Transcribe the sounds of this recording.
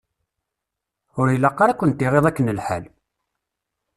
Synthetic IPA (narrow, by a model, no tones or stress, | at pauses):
ʊɾjəlːɑqːɑɾækʷːənt̪ːiʁeðˤækːənəlħal